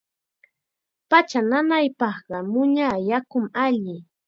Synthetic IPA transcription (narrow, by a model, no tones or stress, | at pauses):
pat͡ʃananajpɑχɢɑmʊɲajakʊmaʎɪ